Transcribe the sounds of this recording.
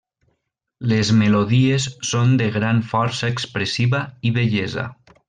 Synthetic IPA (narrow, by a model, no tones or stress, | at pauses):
lezmeloðiesːond̪eɣɾaɱfɔɾsaekspɾesiβaiβeʎeza̰